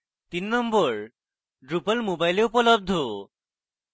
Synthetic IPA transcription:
t̪inːɔmbɔɾ | ɖɾupəlmobajleupɔlɔb̚d̪ʱo

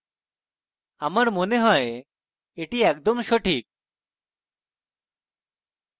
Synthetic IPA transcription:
amaɾmoneɦɔe | eʈiɛk̚d̪omʃoʈʰik̚

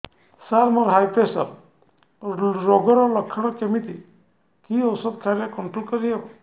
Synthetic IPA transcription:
saɾmɔɾɦajpesɔɾ | ɾɔɡɔɾɔlɔkʰːɔɽ̃ɔkemit̪i | kiɔwsɔd̪kʰaɾjakɔɳʈɾolkɔɾiɦebɔ

